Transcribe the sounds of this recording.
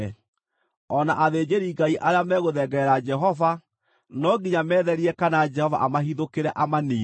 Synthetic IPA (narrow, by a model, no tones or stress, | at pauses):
ɔnaʔaðeːd͡ʑeɾiːɡaiʔaɾeamɛːɣoðɛːɡɛɾad͡ʒɛɦɔva | nɔɡiɲamɛːðɛɾiɛkanad͡ʒɛhɔva̰ʔamaɦiðokeɾɛʔamaniː